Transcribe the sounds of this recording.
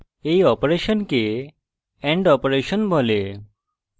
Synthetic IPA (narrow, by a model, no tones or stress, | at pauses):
ejɔpɾeʃɔnke | ɛɳɖɔpɾeʃɔnbʱɔle